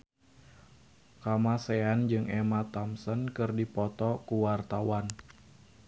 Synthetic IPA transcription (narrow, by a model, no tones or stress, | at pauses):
kamaseand͡ʒɨŋɛmat̪ɔmsənkɨrdipɔt̪ɔkuwart̪awan